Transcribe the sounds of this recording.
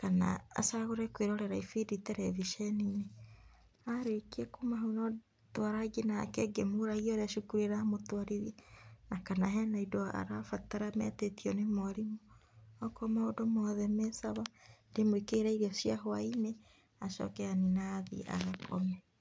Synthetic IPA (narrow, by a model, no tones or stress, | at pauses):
kana̰ːsaɣoɾɛkweɾɔɾɛɾaifiditɛɾɛviʃɛnine | aɾekiɛkomaɦonɔ | twaɾaɡenakɛɡemoɾaɣiɔɾaʃukuɾeɾamotwaɾiɾjɛnakanaɦɛnaidoa̰ɾafataɾamɛtetiɔnemɔɾimoɔkɔmaodomɔðɛmɛsaβandemoikeɾaiɾiɔsiaɦwaine | aʃɔ̰kɛaninaðḭʔa̰ɣakʰɔ̰mɛ